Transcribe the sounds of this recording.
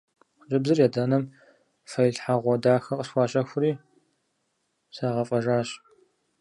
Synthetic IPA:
ʒɨbzɨrjɛdɐnɐm | fɐjɬħaʁʷɔdaːxɐqʼəɕxʷɑːɕʼɐxʷʊɾiː | saːʁɐfʼɐʒaːɕ

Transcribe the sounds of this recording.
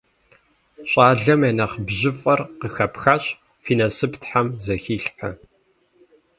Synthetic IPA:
ɕʼaːɮɐmanɐχbʑɪfʼɐrqəxɐpxaɕ | fiːnɐsɨptħamzɐxiːɬħɐ

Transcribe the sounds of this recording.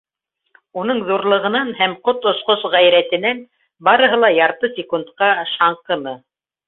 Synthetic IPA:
unɤɴðuɾlˠɤ̆ʁɤ̆nɑnhæmqot̪ŏsqosʁæjɾæt̪ɘ̆næn | bɑɾɤ̆ɦɤlˠɑjɑɾt̪ɤsʲɪkunt̪qɑʃɑɴqɤ̆nɤ

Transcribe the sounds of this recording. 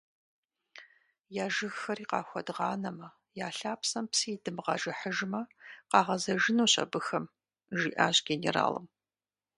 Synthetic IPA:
jaːʒɨɣxɐriːqɑ̰ːxʷɔdʁɑːnɐmɐ | jaːɬaːpʰsɐmpsɨːdɨmʁɑʒɐħəʒmɐqɑːʁɐzɐʒɪnoːɕʼɐ̰bɨxɐm | ʒḭːʔa̰ːʑɡʲenḛra̰ːlɨ̰m

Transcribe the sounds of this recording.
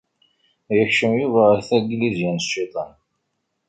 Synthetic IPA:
jəçʃəmjuvæɾθæɡlizjænsʃit̪ˤɑn

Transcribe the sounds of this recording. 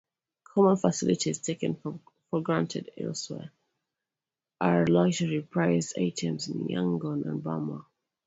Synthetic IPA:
kʰɔmə̃nfəsɪlɪtʰiz̥tʰeɪkə̃n | fɔlɡɹãntʰɪdɛ̰lˠswɛ̰ | ʔaɹlaɡd͡ʒəɹipʰɹ̥aɪzda̰ɪtʰɛ̃mzɪ̰̃njã̰ŋɡɔ̃nə̰̃nbamə

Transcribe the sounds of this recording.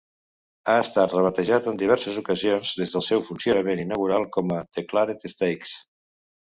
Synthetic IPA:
aəst̪at̪rəβ̞ət̪əʒat̪ənd̪iβ̞ɛɾsəzukəzionzðezðəlˠsɛwfunsiunəmeninəɣ̞uɾalˠkɔmət̪əklaɾet̪əst̪ejks

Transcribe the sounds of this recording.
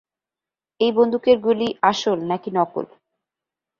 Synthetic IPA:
ejbond̪ʱukeɾɡuliaʃolnakinɔko̰l

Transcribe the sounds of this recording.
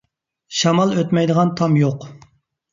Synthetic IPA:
ʃɑmɑlˠøt̪mɛjd̪əʁɑnt̪ʰɑmjoq

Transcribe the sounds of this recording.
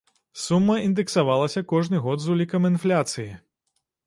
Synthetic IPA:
sumːɐind̪ɨksavalˠɐsʲɐkɔʐnɨɣɔd̪zulʲikɐminflʲat̪sɨji

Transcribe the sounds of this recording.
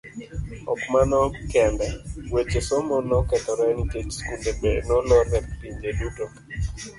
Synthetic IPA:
ɔ̰kmanɔkɛndawet͡ʃesɔmɔnɔkɛt̪ɔɾɛniket͡ʃskundebɛnɔlɔɾɛkɾiɲd͡ʒeduto

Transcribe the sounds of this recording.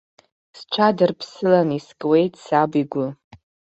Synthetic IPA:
sʈ͡ʂʷʰadɨrpʰsɨlaniskʼwe̞jtʼsabiɡʷʊ

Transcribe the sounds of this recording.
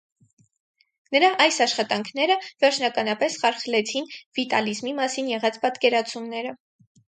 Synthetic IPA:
nəɾɑʔɑjsɑʃχɑt̪ɑŋkʰnɛɾəvɛɾt͡ʃʰnɑkɑnɑpɛsχɑɾχlɛt͡sʰinvit̪ɑ̰lizmimɑsinjɛʁɑt͡spɑt̪kɛɾɑt͡sʰumnɛɾə

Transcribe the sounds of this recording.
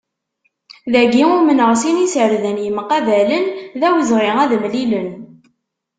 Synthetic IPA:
ðæɡiʊmənəʁsinisʕəɾðənjəmqɑvælənðæwzʁiŋæðmlilən

